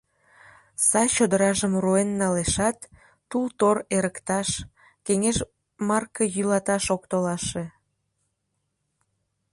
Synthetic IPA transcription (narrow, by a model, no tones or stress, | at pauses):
sɑt͡ɕod̪əɾɑʒəmruenːɑleʃɑt̪ː | ult̪oreɾəkt̪ɑʃ | keŋeʃ | mɑrkəjylɑt̪ɑʃok̚t̪olɑʃe